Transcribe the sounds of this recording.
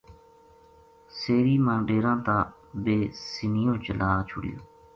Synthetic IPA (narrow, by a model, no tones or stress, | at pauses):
seːɾiːmãːɖeːɾãːt̪ãː | beːsɪnɪjõːt͡ʃəlaːt͡ʃʰʊɽɪ̰jo̰ː